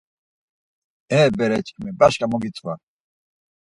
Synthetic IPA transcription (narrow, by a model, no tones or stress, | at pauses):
ɛːbɛɾɛt͡ʃʼkʰʼmɛbaʃkʼamɔɡit͡sʼwa